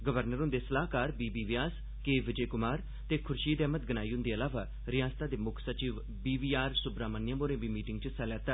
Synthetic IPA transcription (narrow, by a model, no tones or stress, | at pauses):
ɡəʋəɾnəɾõːnd̪eːsəlaːkaːɾbiːbiːʋɪjaːs | keːʋɪd͡ʒeːkʊmaːɾ | t̪eːkʰʊɾʃiːd̪ɛːmət̪̚ɡənaːiʊnd̪eːəlaːʋaː | ɾɪjaːst̪ãːd̪eːmʊkʰsət͡ʃiːʋ | biːʋiːaːɾsʊbɾaːmənjãːmoːɾẽːbiːmiːʈɪ̃ŋɡt͡ʃəsaljaːt̪aː